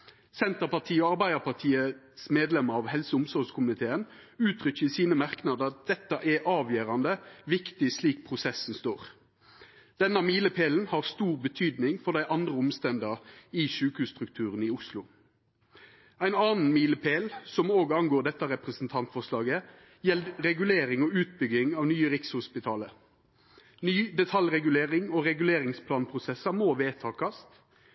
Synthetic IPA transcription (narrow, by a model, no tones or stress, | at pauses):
sɛnt̪əʁpɑʁt̪ʰiːɔɑʁbæɪd̪əʁpɑʁt̪ʰiːə | smeːd̪lɛməʁɑʋhɛlsəʊmsɔʁskʰʊmnɪt̪ʰeːənʉːt̪ʰʁʏçəɪsiːnəmɑʁknɑd̪əɑt̪̚d̪̥ɛt̪ːɑʔɛʔɑːʋjøːʁɑnd̪əʋɪkt̪ɪsliːk̚pʰʁʊsɛsn̩st̪oːʁ | d̪̥ɛnɑmiːləpʰeːln̩hɑʁst̪uːʁbət̪ʰyːd̪nɪŋfɔʁd̪æɪʔɑnd̪ʁəʊmst̪ɛnd̪əʁɪʃʉːkəhʉːst̪ʁʉkt̪ʰʉːʁənɪʊslʊ | æɪnɑːnn̩miːləpʰeːlsɔmoːɡɑnɡoːʁd̪ɛt̪ːɑɾɛpʁɛsn̩t̪ʰɑnt̪fɔʁslɑːɡə | jɛlɾɛɡʉleːɾɪŋɔʉːt̪̚bʏɡɪŋɑːʋnyːəɾɪkshʊspɪt̪ʰɑːlə | nyːd̪ɛt̪ʰɑlʁɛɡʉleːʁɪŋoːɾɛɡʉleːʁɪŋspʰlɑːnpʰʁʊsɛsəmoːʋeːt̪ʰɑːkɑst̪